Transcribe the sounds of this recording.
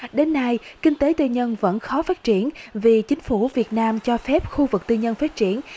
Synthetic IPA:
ɗe˨˦nːa˧jkï˧ŋ̟t̪e˨˦t̪i˧ɲə˧nvə̰˧˥nxɔ˨˦faː˦˥t̚t͡ɕi˧˩ənvi˨˩t͡ɕï˨˦ŋ̟fu˧˩vi˨˩ət̚naː˧mt͡ɕɔ˧fɛ˦˥p̚xu˧vɨ˨˩k̚t̪i˧ɲə˧nfaː˦˥t̚t͡ɕi˧˩ən

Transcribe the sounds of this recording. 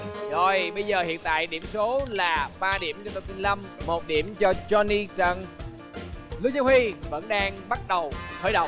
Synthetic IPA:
zo˨˩jɓə˧jzəː˨˩hḭ˧˨ənt̪a̰ː˧˨jɗi˧˩əmso˨˦laː˨˩ɓaː˧ɗi˧˩əmt͡ɕɔ˧t̪o˧˩t̪i˧nla˧mːo˨˩t̚ɗi˧˩əmt͡ɕɔ˧t͡ɕɔ˧ni˧t͡ɕə˧˩n | lɨ˨˦˥zaː˦whi˧və̰˧˥nɗaː˧ŋɓa˦˥t̚ɗə˨˩wxəː˧˩˦jɗə̰˧˨ŋ͡m

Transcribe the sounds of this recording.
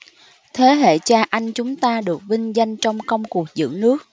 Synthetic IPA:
t̪ʰe˨˦ɦḛ˧˨t͡ɕaː˧ʔa˧jŋt͡ɕʊ˨˦ŋ͡mt̪aː˧ɗɨ˨˩ək̚vï˧ŋ̟za˧jŋ̟t͡ɕɔ˧wŋ͡mkə˧wŋ͡mku˨˩ək̚zɨ̰˧˥nɨ˦˥ək̚

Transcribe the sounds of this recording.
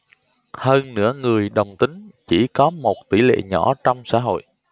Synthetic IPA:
həː˧nnɨ̰˧˥əŋɨ˨˩əjɗə˨˩wŋ͡mt̪ï˨˦ŋ̟t͡ɕi˧˩kɔ˨˦mo˨˩t̚t̪i˧˩lḛ˧˨ɲɔ˧˩t͡ɕɔ˧wŋ͡msa̰ː˧˥ɦo̰˧˨jʔ

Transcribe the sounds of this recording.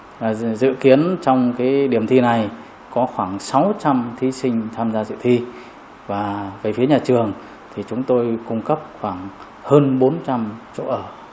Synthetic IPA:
zɨ̰˧˨ki˨˦ənt͡ɕɔ˧wŋ͡mkaː˨˦jɗi˧˩əmt̪ʰi˧na˨˩j | kɔ˨˦xwaː˧˩ŋsa˨˦wt͡ɕa˧mt̪ʰi˨˦sï˧ŋ̟t̪ʰaː˧mzaː˧zɨ̰˧˨wt̪ʰi˧ | vaː˨˩vəː˨˦jfi˨˦əɲaː˨˩t͡ɕɨ˨˩əŋ | t̪ʰi˨˩t͡ɕʊ˨˦ŋ͡mt̪o˧jkʊ˧ŋ͡mkə˦˥p̚xwaː˧˩ŋ | həː˧nɓo˨˦nt͡ɕa˧mt͡ɕo̰˧˨ʔəː˧˩

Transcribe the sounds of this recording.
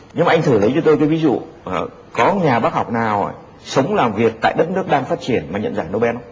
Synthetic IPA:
ɲɨ˧ŋma˨ʔjŋt̪ʰɨː˧˩lə˨˦jt͡ɕɔ˧t̪o˧jkə˨˦vi˨˦zṵ˧˨˩ | kɔ˨˦ɲaː˨˩ɓaː˦˥k̚ɦa˨˩wk͡p̚naː˨˩wj | sə˨˦wŋ͡mlaː˨˩mvi˨˩ək̚t̪a̰ː˧˨jɗə˦˥t̚nɨ˦˥ək̚ɗaː˧ŋfaː˦˥t̚t͡ɕi˧˩ənmaː˨˩ɲə̰˧˨nzaː˧˩no˧wɓɛ˦˧˥n˨˦

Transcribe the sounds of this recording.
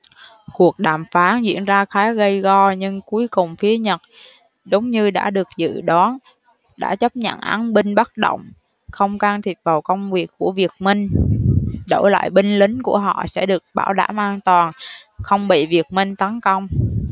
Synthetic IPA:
ku˨˩ək̚ɗaː˨˩mfaː˨˦nzḭ˧˥˨ənzaː˧xaː˨˦ɣə˧jɣɔ˧ɲɨ˧ŋku˨˦əjkʊ˨˩ŋ͡mfi˨˦əɲə˨˩t̚ | zə˨˦wŋ͡mɲɨ˧ɗa̰ː˧˥ɗɨ˨˩ək̚zɨ̰˧˨ɗɔ˨˦n | ɗa̰ː˧˥t͡ɕə˦˥p̚ɲə̰˧˨nʔa˨˦nɓi˧ŋ̟ɓa˦˥t̚ɗo̰˧˨wŋ͡m | xə˧wŋ͡mkaː˧ŋt̪ʰi˨˩t̚və˨˩wkə˧wŋ͡mvi˨˩əkkːu˧˩əvi˨˩ək̚mï˧ŋ̟ | ɗo̰˧˩la̰ː˧˨jɓi˧ŋ̟lï˨˦ŋ̟ku˧˩əɦɔ̰˧˨sɛ̰˧˥ɗɨ˨˩ək̚ɓa̰ː˧˩wɗa̰ː˧˩mʔaː˧nt̪waː˨˩nxə˧wŋ͡mɓḭ˧˨vi˨˩ək̚mï˧ŋ̟t̪ə˨˦nkə˧wŋ͡m

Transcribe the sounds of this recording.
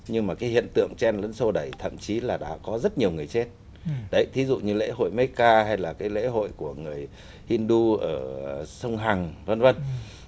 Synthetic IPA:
ɲɨ˧ŋmaː˨˩kaː˨˦jhḭ˧˨ənt̪ɨ̰˧˨əŋt͡ɕɛ˧nlə̰˧˥nsə˧ɗə˨˩jt̪ʰə̰˧˨mt͡ɕi˨˦laː˨˩ɗa̰ː˧˥kɔ˨˦zə˦˥t̚ɲi˨˩əwŋɨ˨˩əjt͡ɕe˦˥t̚ | ɗə˧˩jt̪ʰi˨˦zṵ˧˨ɲɨ˧lḛ˧˥ho̰˧˨jmə˨˦jkaː˧ɦa˧jlaː˨˩kaː˨˦jlḛ˧˥ɦo̰˧˨jku˧˩əŋɨ˨˩əj | ʔi˧nɗu˧ʔəː˧˩sə˧wŋ͡mɦa˨˩ŋvə˧˩nvə˧˩n

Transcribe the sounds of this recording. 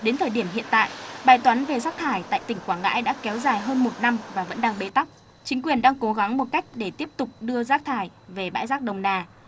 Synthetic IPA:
ɗe˨˦nt̪ʰəː˨˩jɗi˧˩əmɦḭ˧˨ənt̪a̰ː˧˨jʔɓaː˨˩jt̪wa˨˦nve˨˩zaː˦˥k̚t̪ʰaː˧˩jt̪a̰ː˧˨jt̪ï˧˩ŋ̟kwaː˧˩ŋa̰ː˧˥jɗa̰ː˧˥kɛ˨˦wzaː˨˩jɦəː˧nmo˨˩t̚na˧mvaː˨˩və̰˧˥nɗaː˧ŋɓe˨˦t̪a˦˥k͡p̚ | t͡ɕï˨˦ŋ̟kwi˨˩ənɗaː˧ŋko˨˦ɣa˨˦ŋmo˨˩t̚ka˦˥jk̟̚ɗe˧˩t̪i˦˥əp̚t̪ʊ˨˩k͡p̚ɗɨ˧əzaː˦˥k̚t̪ʰaː˧˩j | ve˨˩ɓa̰ː˧˥jzaː˦˥k̚ɗə˨˩wŋ͡mnaː˧˩

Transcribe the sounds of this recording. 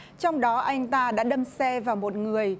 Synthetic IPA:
t͡ɕɔ˧wŋ͡mɗɔ˨˦ʔa˧jŋ̟t̪aː˧ɗa̰ː˧˥ɗə˧msɛ˧vaː˨˩wmo˨˩t̚ŋɨ˨˩əj

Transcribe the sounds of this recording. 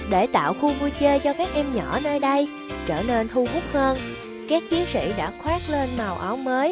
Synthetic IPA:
ɗe˧˩t̪a̰ː˧˨wxu˧vu˧t͡ɕe˧t͡ɕɔ˧kaː˦˥k̚ʔɛ˧mɲɔ˧˩nəː˧jɗə˧j | t͡ɕəː˧˩ne˧ntu˧ɦʊ˦˥k͡p̚həː˧n | kaː˦˥k̚t͡ɕi˨˦ənsḭ˧˥˨ɗa̰ː˧˥xwaː˦˥k̚le˧nmaː˨˩wʔa˨˦wməː˨˦j

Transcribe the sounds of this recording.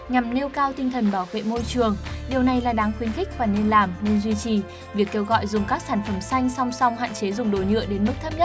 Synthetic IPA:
ɲa˨˩mne˧wkaː˧wt̪ï˧ŋt̪ʰə˨˩nɓaː˧˩wvḛ˧˨mo˧jt͡ɕɨ˨˩əŋɗi˨˩əwna˨˩jlaː˨˩ɗaː˨˦ŋxwi˨˦ənxï˦˥k̟̚vaː˨˩ne˧nlaː˨˩mne˧nzwi˧t͡ɕi˨˩ | vi˨˩əkːe˧wɣɔ̰˧˨jzʊ˨˩ŋ͡mkaː˦˥k̚saː˧˩nfə˧˩msa˧jŋ̟sa˧wŋ͡msɔ˧wŋ͡mhɦa̰ː˧˨nt͡ɕe˨˦zʊ˨˩ŋ͡mɗo˨˩jɲɨ̰˧˨əɗe˨˦nmɨ˦˥k̚t̪ʰːp̚ɲə˦˥t̚

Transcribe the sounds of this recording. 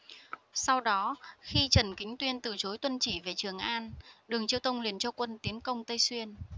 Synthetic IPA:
sa˧wɗɔ˨˦xi˧t͡ɕə˧˩nkï˨˦ŋ̟t̪wi˧ənt̪ɨ˨˩t͡ɕo˨˦jt̪wə˧nt͡ɕi˧˩ve˨˩t͡ɕɨ˨˩əŋʔaː˧nɗɨ˨˩əŋt͡ɕi˧əwt̪ʰə˧wŋ͡mli˨˩ənt͡ɕɔ˧kwə˧nt̪i˨˦ənkə˧wŋ͡mt̪ə˧jswi˧ən

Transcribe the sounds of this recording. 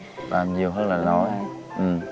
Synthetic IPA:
laː˨˩mzi˨˩əwɦəː˧˥t̚laː˨˩lɔ˨˦j | ʔɨ˨˩m

